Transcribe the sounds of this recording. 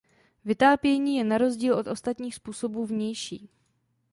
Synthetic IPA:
vɪt̪aːpjɛɲiːjɛnaɾo̞zɟiːlʔo̞t̪ʔo̞st̪at̪ɲiːxspuːso̞buːvɲɛjʃḭː

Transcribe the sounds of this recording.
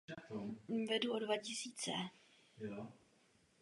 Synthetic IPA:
vɛduodvacɪsiːt͡sɛ

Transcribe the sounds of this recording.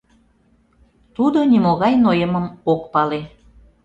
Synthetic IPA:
t̪ud̪onimoɣɑjnojəməmokpɑle

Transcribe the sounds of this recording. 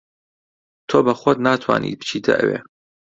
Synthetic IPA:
t̪ʰoːbɐxʷɐt̪naːt̪ʰwa̰ːnḭːt̪̚bʰɨ̥t͡ʃʰiːd̪ʰɐ̰ʔə̰wḛː

